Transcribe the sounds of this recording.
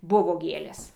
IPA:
ˈbʊʋoː ˈɡʲeːlʲeːs

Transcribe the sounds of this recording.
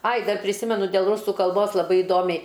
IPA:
ɐɪ ˈdɐr pʲrʲɪˈsʲɪmʲɛnʊ dʲeːlˠ ˈrʊsʊ kɐlˠˈboːs lˠɐˈbɐɪ ɪˈdoːmʲɛɪ

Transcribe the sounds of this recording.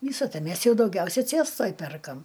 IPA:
ˈʋʲiːsɐ ˈtɐ ˈmʲeːs jɛʊ dɐʊˈɡʲɛʊsʲɛ ˈt͡sʲeːstoːj ˈpʲɛrkɐm

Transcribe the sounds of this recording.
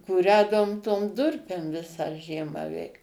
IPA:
kuːˈrʲæːdɐʋoːm toːm ˈdʊrʲpʲeːm ˈʋʲɪsɑː ˈʒʲiɛmɑː ˈʋʲɛɪk

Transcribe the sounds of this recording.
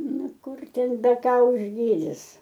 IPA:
ˈnʊ ˈkʊr ˈtʲɛn bʲɛˈkɐ ʊʒʲˈɡʲiːdʲɪs

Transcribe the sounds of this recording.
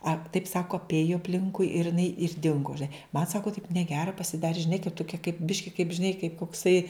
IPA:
ɐ tɐɪp ˈsɑːkoː ɐpʲˈeːjʊ ɐpʲˈlʲɪŋkʊɪ ɪr ɪˈnɐɪ ɪr ˈdʲɪŋɡʊ ʒʲɪˈnɐɪ mɐn ˈsɑːkoː tɐɪp nʲɛˈɡʲæːrɐ pɐsʲɪˈdɑːrʲɪ ʒʲɪˈnɐɪ kɐɪ toːˈkʲiɛ kɐɪp ˈbʲɪʃʲkʲɪ kɐɪp ʒʲɪˈnɐɪ kɐɪp koːkˈsɐɪ

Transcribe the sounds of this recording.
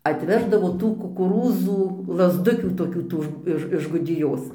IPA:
ɐtʲˈʋʲæːʒdɐʋoː ˈtuː kʊkʊˈruːzuː lˠɐzˈdʊkʲuː toːˈkʲuː ˈtuː ɪʃ ɪʃ ɡʊdʲɪˈjoːs

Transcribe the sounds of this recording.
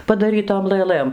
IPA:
pɐdɐˈrʲiːtoːm lˠɘˈlˠɘm

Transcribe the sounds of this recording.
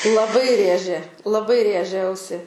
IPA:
lˠɐˈbɐɪ ˈrʲeːʒʲeː lˠɐˈbɐɪ ˈrʲeːʒʲɛ ˈɐʊsʲɪ

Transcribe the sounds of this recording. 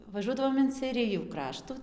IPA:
ʋɐˈʒuɔdɐʋoːm ɪn sʲɛɪˈrʲɪjuː ˈkrɑːʃtuː

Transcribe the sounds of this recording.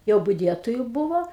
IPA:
jɛʊ bʊˈdʲiɛtoːjʊ ˈbʊʋoː

